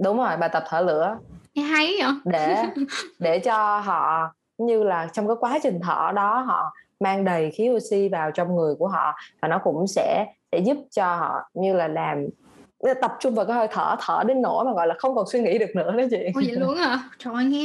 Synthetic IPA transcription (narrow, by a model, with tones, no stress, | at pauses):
ɗʊ˨˦wŋ͡mzo˨˩jɓaː˨˩jt̪ə˨˩p̚t̪ʰəː˧˩lɨ̰˧˥əɛ˧a˧˦jɗe˧˩˨ɗe˧˩t͡ɕɔ˧ɦɔ̰˧˨ | ɲɨ˧laː˨˩t͡ɕwŋ͡mkaː˨˦jkwaː˨˦t͡ɕï˨˩ŋ̟t̪ʰə̰ː˧˩ɗɔ˨˦ɦɔ̰˧˨maː˧ŋɗə˨˩jxi˨˦ʔo˧si˧vaː˨˩wt͡ɕɔ˧wŋ͡mŋɨ˨˩əjku˧˩əɦɔ̰˧˨vaː˨˩nɔ˨˦kʊ̰˧˥ŋ͡msɛ̰˧˥sɛ̰˧˥zʊ˦˥p̚t͡ɕɔ˧hɔ̰˧˨ɲɨ˧laː˨˩laː˨˩m˨˦ | t̪ə˨˩p̚t͡ɕʊ˧ŋ͡mvaː˨˩wkaː˨˦jho˧jt̪ʰə̰ː˧˩t̪ʰəː˧˩ɗe˨˦nno̰˧˩˥maː˨˩ɣɔ̰˧˨jlaː˨˩xə˧wŋ͡mkɔ˨˩nswi˧ŋḭ˧˥ɗɨ˨˩ək̚nɨ̰˧˥ətə˨˦t͡ɕḭ˧˨˧i˧˨lu˧əŋa˧˨t͡ɕɔ˧˨˩a˧˩ŋi˧